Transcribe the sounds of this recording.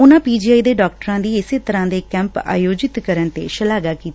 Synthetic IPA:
ʊnãːpiːd͡ʒiːaːiːd̪eːɖɔːk̚ʈəɾãːd̪iːɪseːt̪əɾãːd̪eːkɛ̃ːmpa̰ːjoːd͡ʒɪt̪kəɾəɳt̪ḛːʃəlaːɡaːkiːt̪a

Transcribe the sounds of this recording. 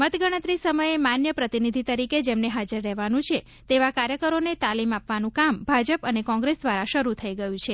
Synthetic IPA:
mət̪ɡəɽ̃ət̪ɾisəməjemanjəpɾət̪inid̪ʱit̪əɾiked͡ʒemneɦad͡ʒəɾːɛɦʋanũt͡ʃʰe | t̪eʋakaɾjəkəɾonet̪alimapʋanũkambʱad͡ʒəpənekɔ̃ŋɡɾesd̪ʋaɾaʃəɾut̪ʰəiɡəjũt͡ʃʰe

